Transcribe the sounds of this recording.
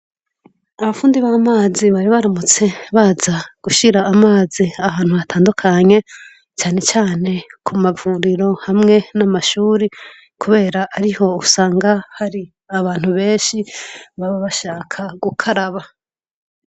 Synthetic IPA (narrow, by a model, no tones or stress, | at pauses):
aβafuːndiβaːmaːziβaɾiβaɾamut͡se̞βazaɡ̥uʃiɾaːmaːziaβaːn̥huβatʰaːndukʰaɲe̞ | t͡ʃaːne̞t͡ʃaːne̞kʰumavuɾiɾo̞hamŋe̞namaʃuːɾi | kuβe̞ːɾaʔːɾiho̞usaːŋɡahaɾi | aβaːn̥huβe̞ːnʃiβaβaβaʃaːkʰaɡukʰaɾaβa